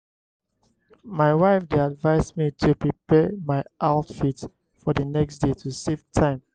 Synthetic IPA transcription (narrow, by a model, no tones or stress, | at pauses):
maɪwaɪfdeadvaɪsmitʰupɹipɛmaɪʔaʊtfit | fɔðənɛksdetʰusevtʰãɪ̃m